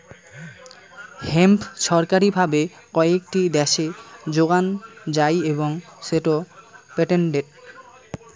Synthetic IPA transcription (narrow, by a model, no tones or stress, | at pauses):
hempʃɔɾkaɾibʱabe | kɔek̚ʈid̪ɛʃed͡ʑoɡand͡ʑajeboŋseʈopɛʈeɳɖeɾ